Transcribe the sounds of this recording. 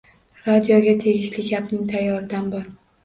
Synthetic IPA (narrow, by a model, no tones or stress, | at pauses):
ɾad̪ijoɡʲat̪ʰe̞ɡʲɪʃlɪɡʲapnɪŋt̪ʰajːɒɾɪd̪anbɒɾ